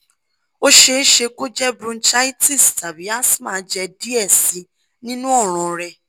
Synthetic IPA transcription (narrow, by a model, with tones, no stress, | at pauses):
o˦ʃe˧n̩˦ʃe˧ko˦d͡ʒɛ˦bɾũ˧n̩˦t͡ʃa˦i˦ti˦˨sta˨bi˨˦a˦smã˨˦d͡ʒɛ˧di˦ɛ˦˨si˨˦ | nĩ˦nũ˦ɔ˦˨ɾ̃ɔ̃˨ɾɛ˧